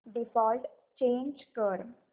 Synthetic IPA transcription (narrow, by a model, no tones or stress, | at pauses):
ɖifɔːlʈ | t͡ʃẽːnd͡ʒkəɾm